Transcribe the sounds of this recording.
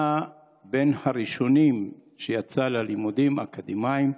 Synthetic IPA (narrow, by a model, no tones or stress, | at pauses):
a | benhaʁiʃo̞nim | ʃejat͡salalimud̪imakad̪imaim